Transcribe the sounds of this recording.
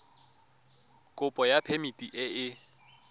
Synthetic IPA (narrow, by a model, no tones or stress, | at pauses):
kʼʊpʼɔjapʰemitʼiʔɪɪ